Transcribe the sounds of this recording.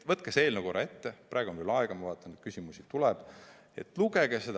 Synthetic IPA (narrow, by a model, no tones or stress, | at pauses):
vɤt̪ːˑkese̞ːlnukoɾɑe̞t̪ːeprʔɑːˑeɡuonvelɑeɡ̥ɑmɑvɑːt̪ːˑɑnet̪̚kysʲimusit̪ulɛb̥ | e̞t̪ːˑluɡ̥eɡ̥ese̞d̪